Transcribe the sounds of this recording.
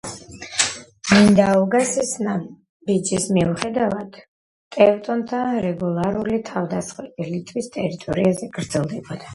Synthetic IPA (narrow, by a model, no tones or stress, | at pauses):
mind̪auɡasisna | bid͡ʒismiuχɛd̪avad̪̥ | t̪ʼɛvt̪ʼɔnt̪ʰaɾɛɡulˠaɾulit̪ʰavd̪asχwɛt̪ʼilit̪ʼwist̪ʼɛɾit̪ʼɔɾiazɛɡ̥ɾd̪zɛlˠd̪ɛbɔd̪a